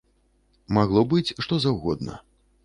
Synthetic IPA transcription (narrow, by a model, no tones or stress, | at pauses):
maɣlˠɔbɨt͡sʲʂt̪ɔzawɣɔd̪̚nɐ̰